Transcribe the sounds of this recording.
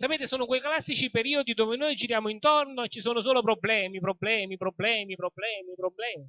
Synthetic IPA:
sapeːt̪esoːnokwejklasːit͡ʃipeɾiːod̪id̪oːveɪnojd͡ʒiɾjaːmoint̪ornoet͡ʃːisoːnos̬oːlopɾoblɛːmipɾoblɛːmipɾoblɛːmipɾoblɛːmipɾoblɛːmi

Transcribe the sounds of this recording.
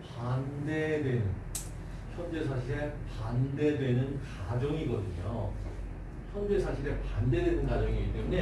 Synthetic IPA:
pandedwe̞nɯn | çʰjʌnd͡ʑe̞sʰaɕʰiɾe̞pande̞dwe̞nɯnkad͡ʑʌŋiɡʌdɯɲo | çʰʌnd͡ʑe̞sʰaɕʰiɾe̞pande̞dwe̞nɯnkad͡ʑʌŋiɡit͈e̞mune̞

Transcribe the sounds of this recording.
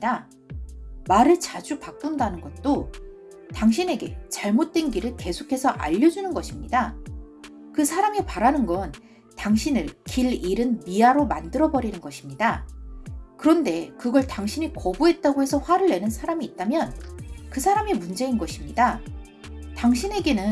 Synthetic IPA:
ɲida | maɾɯɭt͡ɕad͡ʑupak̚k͈undanɯnɡʌt̚t͈o | taŋɕʰine̞ɡe̞t͡ɕaɭmot̚t͈we̞nɡiɾɯɭke̞sʰokʰe̞sʰʌʔa̰ʎːʌd͡ʑunɯnɡʌɕʰimɲida | kɯsʰaɾamipaɾanɯnɡʌn | taŋɕʰinɯɭkiɭiɾɯnmiaɾomandɯɾʌbʌɾinɯnɡʌɕʰimɲida | kɯɾʌnde̞kɯɡʌɭtaŋɕʰiɲikʌbuɦe̞t̚t͈aɡoɦe̞sʰʌɸwaɾɯɭːe̞nɯnsʰaɾamiːt̚t͈amjʌnkɯsʰaɾamimund͡ʑe̞inɡʌɕʰimɲida | taŋɕʰine̞ɡe̞nɯn

